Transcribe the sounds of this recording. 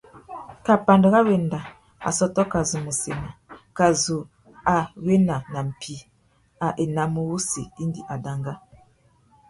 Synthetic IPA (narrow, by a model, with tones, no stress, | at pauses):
ka˨pa˨ndə˨ɣa˦we˨nda˨ | a̰˨sɔ˦tɔ˦ka˨zu˨mə˨se˨na˨ka˨zu˨ | a˨we˦na˨na˨m̩˨pi˨ | a˨ʔe˨na˨mo˨wu˦sḛ˨i˦ndi˨ʔa˨da˨ŋɡa˦